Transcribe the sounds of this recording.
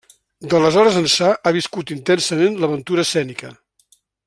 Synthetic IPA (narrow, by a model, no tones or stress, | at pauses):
d̪ələzɔɾəzənsaʔaβiskut̪int̪ɛnsəmenləβənt̪uɾəːsɛnikə̰